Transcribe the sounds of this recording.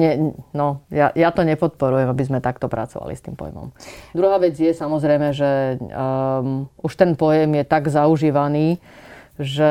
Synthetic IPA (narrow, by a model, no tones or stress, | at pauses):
ɲɛnɔjajat̪ɔɲɛpɔt̪̚pɔɾujɛmabizmɛt̪akt̪ɔpɾʔa̰t͡sɔʋa̰lḭst̪iːmpɔ̰jmɔ̰md̪ɾuɦaːʋɛd͡zjɛsamɔzɾɛjmɛʒɛ | uʃt̪ɛnpɔjɛmjɛt̪aɡzauʒiːʋaniː | ʒɛ